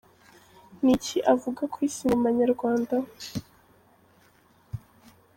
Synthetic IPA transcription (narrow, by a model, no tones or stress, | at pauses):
niciʔavuɡakwiːsinamaɲaɾɡwaːnda